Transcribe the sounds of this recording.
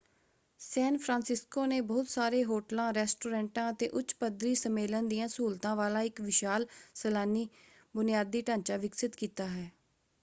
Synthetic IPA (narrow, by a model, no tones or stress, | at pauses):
sɛːnpʰɾãːnsɪskoːneːbɔːʊt̪saːɾeːɦoːʈlãːɾɛːsʈoːɾɛ̃ːɳʈãːət̪eːʔʊt͡ʃpəd̪ɾiːsəmeːlənd̪ijãːsuːlt̪ãːʋaːlaːɪkʋɪʃaːlsəlaːniː | bʊnɪjaːd̪ːiːʈãːnt͡ʃaːʋɪksɪt̪kiːt̪aːɦɛː